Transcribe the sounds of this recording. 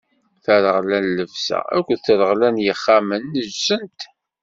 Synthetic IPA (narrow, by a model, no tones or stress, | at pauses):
θəɾəʁlænləvsæ̰æ̰kʷːəθəɾəʁlænjəχːæmənːəʒsənt̪